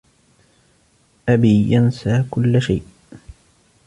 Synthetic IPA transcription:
ʔabiːjansaːkʊlːʃajʔ

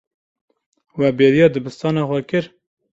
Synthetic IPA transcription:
wɛbeːɾijɑːd̪ɨbɨst̪ɑːnɑːxwɛkɨɾ

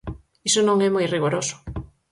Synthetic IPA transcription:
isonõŋɛmɔjriɣoɾosʊ̥

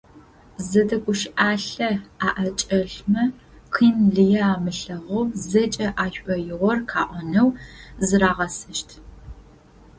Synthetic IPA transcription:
zɐdɐɡʷʼʊʃʔaːɬɐaːʔɐt͡ʃʼɐɮmɐ | qʰiːmɮɨjɐaːmɨɬɐʁɐwzɐt͡ʃʼɐʔaːɕʷʔɔjɪʁʷɔrkʰaːʔʷɔnɐwzɨɾaːʁɐsɐʃtʰ

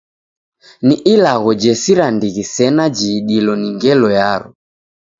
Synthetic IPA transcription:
niʔilaɣɔd͡ʒɛsiɾandiɣisɛnad͡ʒiːɗilɔniŋɡɛlɔjaɾu

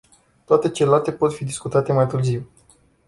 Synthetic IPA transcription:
t̪oat̪e̞t͡ʃelat̪e̞po̞t̪fid̪iskut̪at̪e̞majt̪ɨrziw

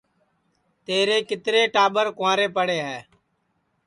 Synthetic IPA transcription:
t̪eːɾeːkɪt̪ɾeːʈaːɓəɾkãːɾeːpəɽeːɦɛː

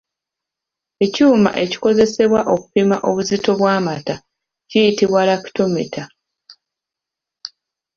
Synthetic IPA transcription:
e̞cuːma̰ʔe̞ci̥ko̞ze̞se̞βwaʔo̞ku̥pimaʔo̞βuzito̞βwaːmata | cijitiβwalaki̥to̞mḛtʰa

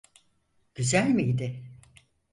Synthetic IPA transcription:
ɟ̥yzælʲmiid̪ɪ

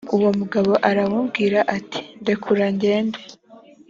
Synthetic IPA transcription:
uwo̞muɡaβo̞ʔaɾawubɡiːɾaʔatʰi̥nde̞kʰuɾaɲɟe̞ːnde

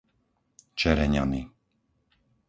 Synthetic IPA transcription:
t͡ʃɛɾɛɲa̰ni

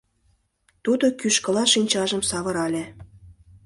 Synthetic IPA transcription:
t̪ud̪okyʃkə̆lɑʃinʲt͡ɕɑʒə̆msɑβɤ̆ɾɑlʲĕ

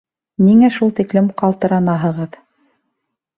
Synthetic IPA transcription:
niŋæʃulˠt̪iklɘmqɑlˠt̪ɤ̆ɾɑnɑɦɤ̆ʁɤð

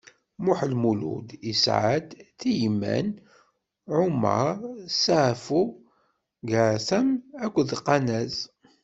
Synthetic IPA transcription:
mʊħlmulṵd̪isʕa̰d̪θijmːæ̰n | ʕʊmɑ̰ɾˤsaʕfu | ɡaθæmækʷːðqːɑnæz

